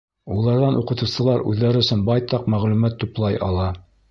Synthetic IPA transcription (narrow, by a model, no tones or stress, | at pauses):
ulˠɑɾðɑnʔuqɤ̆t̪ɤ̆wsɤ̆lˠɑɾʉ̰ðːæɾɵ̆sɵnbɑjt̪ɑqmæʁlʉmæt̪ːuplˠɑjɑ̰lˠɑ